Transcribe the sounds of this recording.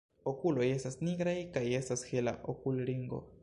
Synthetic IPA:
okulo̞je̞stasniɡɾajkaje̞stashela̰ʔokulɾiŋɡo̰

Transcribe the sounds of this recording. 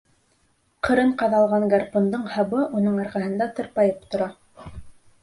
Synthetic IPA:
qʰɤ̆ɾɤɴqɑðɑlˠʁɑŋɡɑrpond̪ɤɴhɑβɤʔunɤɴɑɾʁæhɤ̆nd̪ɑt̪ɤ̆ɾpɑjɤpt̪ŏɾɑ

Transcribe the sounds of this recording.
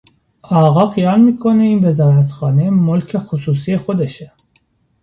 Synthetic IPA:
ɒːɣɒːxijɑːlmiːkʰo̞ne̞iːnve̞zɒːɾæt̪xɒːnemolcʰe̞xosuːs̬ijexod̪eʃe

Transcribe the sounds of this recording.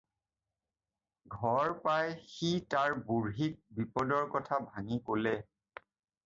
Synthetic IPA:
ɡʱɔɹpajxitaɹbuɹɦik̚bipɔdɔɹkɔtʰabʱaŋikolɛ

